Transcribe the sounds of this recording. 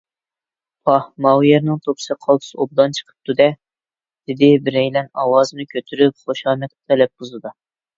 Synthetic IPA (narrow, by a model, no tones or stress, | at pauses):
pʰɑhmɑwjɛɾnɨŋt̪ʰopsɨqʰɑlˠt̪ʰu̥sob̚d̪ɑnt͡ʃʰə̥qʰə̥p̚t̪ʰud̪ɛ | d̪̥ɪd̪ɪbɪɾɛjlɛnɑwɑːzɨnɨkʲʰøt̪ʰyɾyp̚χoʃɑːmɛk̪̚ʲɪ̥t̪ʰɛlɛp̚buzɨd̪ɑ